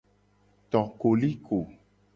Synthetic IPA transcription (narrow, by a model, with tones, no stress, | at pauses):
t̪ɔ˨ko˨li˦ko˨